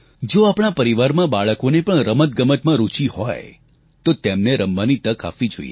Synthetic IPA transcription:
d͡ʒoapɳ̃apəɾiʋaɾmãbaɭəkonepəɳɾəmət̪̚ɡəmət̪mãɾut͡ʃihɔj | t̪ot̪ɛmneɾəmbanit̪əkʰa̰fʋid͡ʒo̰ijḛ

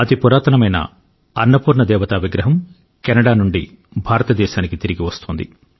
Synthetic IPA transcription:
ɐt̪ipuɾaːt̪ɐnɐmɐjnɐ̰ | ɐ̰nːɐpuːɾɳɐd̪ɛːʋɐt̪aːbʱiɡɾɐɦɐm | kɛnɐɽaːnuɳɖi | bʱaːɾɐt̪ɐd̪ɛːʃaːnikit̪iɾiɡiʋɐst̪oːnd̪ḭ

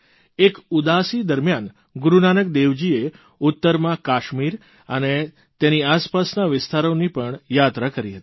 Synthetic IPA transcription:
ekud̪asid̪əɾmjan | ɡʊɾunanək̚d̪eʋd͡ʒie | ʊt̪ːəɾmãkaʃmiɾ | ə̰ne | t̪eniaspasnaʋɪst̪ʰaɾonipəɳjat̪ɾakəɾiɦət̪i̥

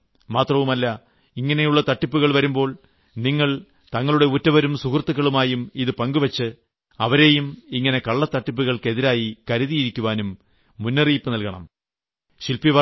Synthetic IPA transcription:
maːt̪rɐʋumɐlːɐ | iŋːɐne̞juɭːɐt̪ɐʈːipːuɣɐɭʋɐɾumbo̞ːɭ | niŋːɐɭ | t̪ɐŋːɐɭuɽe̞utːɐʋɐɾumsukrt̪ːɨkːɐɭumaːjumiðɨpɐŋɡuʋɐt͡ɕːɨ | ɐʋɐɾe̞ːjumiŋːɐne̞kɐɭːɐt̪ːɐʈːip̬ːuɣɐɭke̞ðiɾaːjikɐɾuðijiɾikʲːuʋaːnumː | unːɐriːpːɨnɐlkɐɳɐ̰m | ɕilpiʋɐ

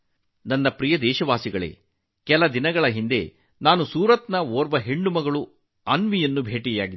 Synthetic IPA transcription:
nɐnːɐpɾijɐd̪ɛːʃɐʋaːsiɡɐɭḛː | kɛlɐd̪inɐɡɐɭɐɦind̪e̞̰ | naːnusuːɾɐt̪nɐoːɾbɐɦeɳɖumɐɡɐɭu | ɐnʋijɐnːubʱeːʈiɡjaːɡid̪

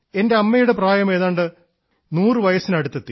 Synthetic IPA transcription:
e̞nde̞ɐmːɐjuɽe̞praːjɐmeːðaːɳɖɨ | nuːrɨʋɐjɐsinɐɽut̪ːet̪ːi

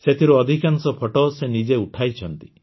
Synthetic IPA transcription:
set̪ʰiɾuɔd̪ʱikansɔpʰɔʈɔsenid͡ʒeuʈʰajt͡ʃʰɔnt̪i

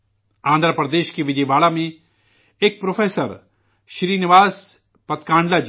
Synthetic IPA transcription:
ãːnd̪ɾəpɾəd̪eːʃkeʋɪd͡ʒejʋaːlamẽ | ek̚pɾoːfʰeːsəɾ | ʃɾiːnɪʋaːs | pɐt̪kãːɳɖlaːd͡ʒ

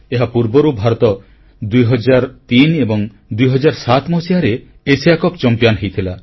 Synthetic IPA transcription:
eɦapuɾbɔɾubʱaɾɔt̪ɔ | d̪ujɦɔd͡ʒaɾt̪inebɔŋ | d̪ujɦɔd͡ʒaɾsat̪mɔsiɦaɾe | esijakɔpt͡ʃɔmpjanɦejt̪ʰila

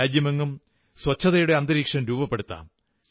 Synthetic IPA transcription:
aːd͡ʑjɐmeŋːum | swɐt͡ɕʰːɐðɐjuɽe̞ɐnd̪ɐɾiːkʂɐnɾuːbɐpːeɽut̪ːa̰ːm

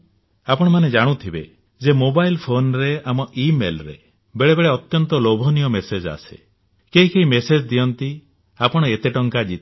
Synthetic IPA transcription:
apɔɽ̃ɔmaned͡ʒaɽ̃ut̪ʰibe | d͡ʒemobajlpʰonɾeamɔʔimelɾe | beɭebeɭeɔt̪jɔnt̪ɔlobʱɔnijɔmesed͡ʒa̰se̥̰ | keɦikeɦimesed͡ʒd̪ijɔnt̪i | apɔɽ̃ɔet̪eʈɔŋkad͡ʒit̪

